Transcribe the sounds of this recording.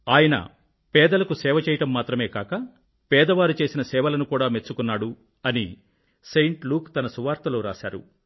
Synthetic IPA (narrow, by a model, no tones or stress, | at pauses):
aːjɐnɐ̰ | pɛːd̪ɐlɐkusɛːʋɐt͡ʃɛːjɐʈɐmːaːt̪ɾɐme̞ːkaːkɐ | pɛːd̪ɐʋaːɾut͡ʃe̞ːsinɐsɛːʋɐlɐnukuːɽaːmet͡ʃːukunːaːɽu | ɐni | sejɳʈluːkt̪ɐnɐsuʋaːɾt̪ɐloːɾa̰ːʃa̰ːɾṵ